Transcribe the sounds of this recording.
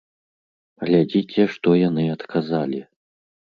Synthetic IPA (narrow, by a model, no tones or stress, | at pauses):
ɣlʲad͡zʲit͡sʲɛʂt̪ɔjanɨɐt̪kʰazalʲi